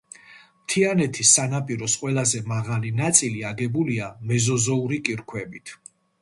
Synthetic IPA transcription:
mt̪ʰianɛt̪ʰisːanapʼiɾɔsqʼwɛlazɛmaʁalinat̪sʼiliaɡɛbuliamɛzɔzɔuɾikʼiɾkʰwɛbit̪ʰ

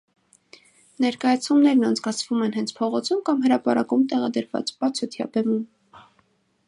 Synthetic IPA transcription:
nɛɾkɑjɑt͡sʰumnɛɾnɑnt͡sʰkɑt͡sʰvumɛnɦɛnt͡sʰpʰɔʁɔt͡sʰumkɑmɦəɾɑpɑɾɑkumt̪ɛʁɑd̪əɾvɑ̰t͡spɑt͡sʰɔt̪ʰjɑ̰bɛmum

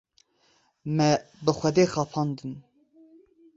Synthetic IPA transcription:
mɛbɨxʷɛd̪eːxɑːpʰɑːnd̪ɨn

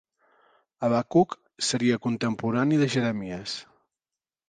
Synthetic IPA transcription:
əβakuk | səɾiəkunt̪əmpuɾaniðəʒəɾəmiəs

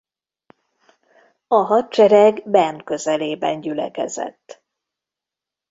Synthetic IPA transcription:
ɒɦɒt̪t͡ʃɛɾɛɡbɛrnkø̞zɛleːbɛnɟylɛkɛ̰zɛ̰t̪ː

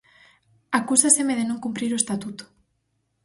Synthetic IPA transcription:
akusasemeðenõŋkumpɾiɾoest̪at̪ut̪o̥

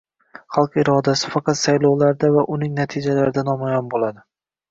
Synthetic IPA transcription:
χɑlˠqɪɾɒd̪asɪ̥fɑqɑt̪sajlˠɒwlaɾd̪avaʔʊnɪŋnat̪ʰɪd͡ʒalaɾɪd̪anɒmajɒnbolˠad̪ɪ

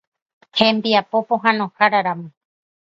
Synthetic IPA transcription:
hẽmbiapopõɦãnõhaɾaɾamõ

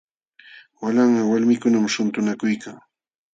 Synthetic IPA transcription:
walaŋɢɑwalmɪkʊnamʃʊnt̪ʊnakʊjkaŋ

